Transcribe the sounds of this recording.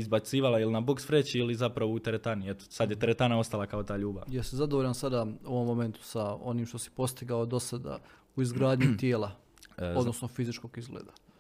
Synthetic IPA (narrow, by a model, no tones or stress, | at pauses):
izbat̪siːʋalailinabokspɾet͡ɕiilizapɾaʋout̪eɾet̪aniet̪o̥sad̪jet̪eɾet̪anao̞st̪alˠakaot̪aːʎuːba̰ʋjasizad̪oʋoʎansad̪aːoʋo̞mːome̞nt̪u̥sao̞niːmʃt̪o̞si̥po̞st̪iɡaod̪o̞sad̪a̰ | uizɡɾaːd̪ɲut̪jeːlˠa | o̞d̪nosnofizit͡ʃko̞ɡizɡlḛːd̪a